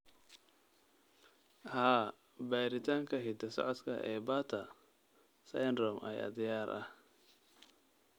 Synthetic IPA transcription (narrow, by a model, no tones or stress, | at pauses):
haː | bɛːɾɪt̪ʰaːŋkʰɐɦɪd̪ɐsɔ̰ʕɔd̪kʰɐʔɛːbaːt̪ʰɐ | sɐjnrɔːmʔɛ̰jɐ̰d̪ɪjaːɾʔɐ̰h